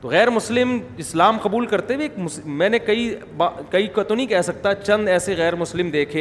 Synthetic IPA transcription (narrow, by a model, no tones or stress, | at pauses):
t̪oɣɛːɾmʊslɪmɪslaːmqɐbuːlkɐɾt̪ebeːkmʊsmɛ̃ːnekɐi | bakɐikɐt̪onɐĩkɛɦsɐk̚t̪at͡ʃɐ̃nd̪ɛːseɣɛːɾmʊslɪmd̪eːkʰẽː